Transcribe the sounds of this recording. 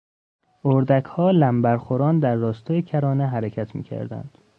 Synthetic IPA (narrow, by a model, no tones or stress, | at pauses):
oɾd̪ækʰhɒːlæmbæɾxoɾɒːnd̪æɾːɒːst̪ʰɒːjecʰæɾɒːneɦæɾecʰæt̪ʰmḭːcʰæ̰ɾd̪æ̰nd̪̥